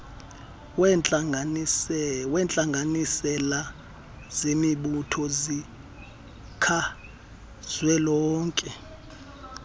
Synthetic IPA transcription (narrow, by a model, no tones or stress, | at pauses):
wɛnt͡ɬʼaŋɡʱanisɛla | z̥emiɓutʰɔzi | kʰa | z̥wɛlɔːŋkʼɛ